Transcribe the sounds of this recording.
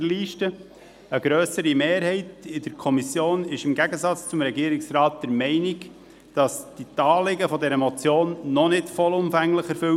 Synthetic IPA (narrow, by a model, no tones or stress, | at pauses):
liːʃtə | əɡɾøːsəɾimeːɾhɛɪtɪdəɾkʰɔmisjoːnɪʃɪmɡæɡəzɑt͡st͡sʊmɾɛɡiːɾɪksrɑːt̚d̥ɛɾmɛɪnɪɡ | d̥ɑsd̥itɑːlɪɡəfɔdɛɾəmɔt͡sjoːnːɔnɪtfɔlʊmfæŋləχɛɾfʏw